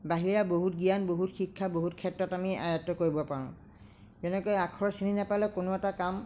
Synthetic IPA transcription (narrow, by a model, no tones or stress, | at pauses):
baɦiɹaboɦutɡijanboɦutxikʰːaboɦutkʰɛtɹɔtamia̰jatːɔkoɹibɔpaɹʊ̰̃ | zɛnɛkojakʰɔɹɔsininapalɛkonoɛtakam